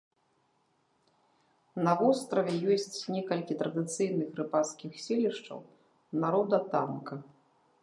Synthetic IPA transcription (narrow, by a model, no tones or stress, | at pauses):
nɐvɔst̪ɾɐvʲɛjɔsʲt͡sʲnʲɛkɐlʲkʲit̪ɾɐd̪ɨt̪sɨjnɨxrɨpaskʲixsʲelʲiʂt͡ʂɐ̰w | naɾɔd̪ɐt̪amkɐ